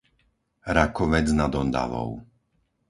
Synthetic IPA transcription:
ɾakɔʋɛd͡znad̪ɔnd̪a̰ʋɔ̰ʊ

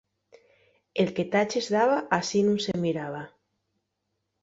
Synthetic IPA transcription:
elket̪at͡ʃezðaβaʔasinũŋsemiɾaβ̞a

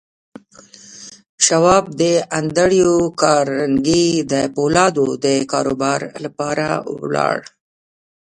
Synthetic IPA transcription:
ʃawɑb̚d̪əand̪aɽijokɑɾaŋɡid̪əpolɑd̪od̪əkɑɾobɑɾlapɑɾa̰wlɑ̰ɽ

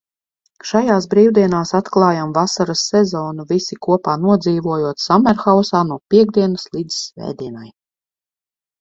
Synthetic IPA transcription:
ʃajaːsbɾiːwd̪iɛnaːsat̪klˠɑːjamvasaɾasːɛzɔːnuvisikuɔpaːnuɔd̪ziːvuɔjuɔt̪samɛɾxawsaːnuɔpʲiɛɡ̚d̪iɛnɐslˠiːd̪zsvɛ̰ːd̪iɛnaj

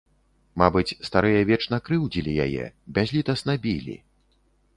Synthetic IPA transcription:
mabɨt͡sʲst̪aɾɨjɐvʲɛt͡ʂnɐkɾɨwd͡zʲilʲija̰jɛ̰bʲazʲlʲit̪ɐsnabʲilʲḭ

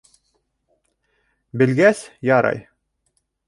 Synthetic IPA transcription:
bɘ̆lɡæsjɑɾɑ̰j

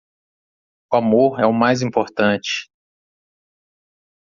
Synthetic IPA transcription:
uamoɾɛʊmajzĩpoɾt̪ɐ̃t͡ʃɪ̥

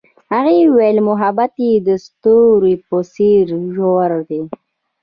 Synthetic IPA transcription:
haɣewelmʊɦabat̪id̪əst̪uɾiposiɾʒoɾd̪e

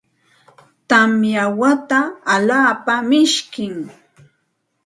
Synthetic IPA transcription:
t̪amjawat̪aːlaːpamɪʃkɪŋ

